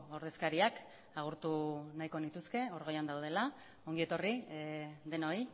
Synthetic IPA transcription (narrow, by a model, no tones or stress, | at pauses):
o̞ɾðe̞skaɾiak | aɣ̞uɾt̪unajko̞nit̪uske̞o̞ɾɣojand̪awð̞e̞la | o̞ŋɡie̞t̪o̞ri | d̪e̞no̞j